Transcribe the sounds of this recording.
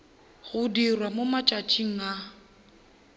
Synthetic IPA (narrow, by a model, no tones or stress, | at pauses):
ɣʊdirwamʊmat͡ʃʼat͡ʃʼiŋ̩a